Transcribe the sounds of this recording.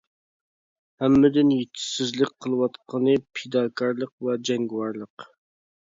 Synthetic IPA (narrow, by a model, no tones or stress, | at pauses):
hɛmːɪd̪ɪnjet̪ʰːɪ̥sɪzlɪk̚ʲqʰəlˠɨwɑt̪qʰənɨpʰed̪ɑːkʰɑɾlˠəqvɛd͡ʒɛŋɡʲwɑɾlˠəq